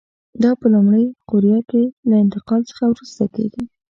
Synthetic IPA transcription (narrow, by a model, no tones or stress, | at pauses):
d̪ɑpəlumɽəjqʊɾjɑkelaɪnt̪ɪqɑlt͡sə̥xawɾust̪akḛɡi